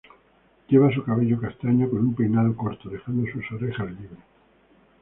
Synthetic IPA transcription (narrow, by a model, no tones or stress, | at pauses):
ʎeβ̞as̬ukaβeʎokast̪aɲokonumpejnaðokoɾt̪oðexand̪osusoɾexaliβɾe